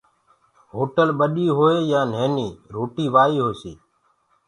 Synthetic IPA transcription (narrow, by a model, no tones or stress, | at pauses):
ɦoːʈəlɓəɗiːɦoːeːjãːn̤eːniːɾoːʈiːʋaːiːɦoːsḭː